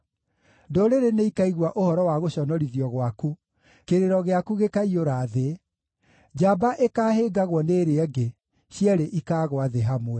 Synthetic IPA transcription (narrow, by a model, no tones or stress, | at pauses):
doɾeɾeneikaiɣwaʔohɔɾɔwaɣoɕɔnɔɾiðiɔɣwaku | keɾeɾɔɣeakuɣekaioɾaːðe | d͡ʑabaʔekaːheːɡaɣwɔneːɾeɛɡe | ɕjɛɾeʔikaːɣwaðeɦamwɛ